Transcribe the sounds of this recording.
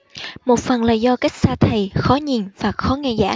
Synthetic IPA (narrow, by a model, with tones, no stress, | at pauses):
mo˨˩t̚fə˨˩nlaː˨˩zɔ˧ka˦˥jk̚saː˧t̪ʰə˨˩jxɔ˨˦ɲi˨˩nvaː˨˩xɔ˨˦ŋɛ˧˩za̰ː˧˥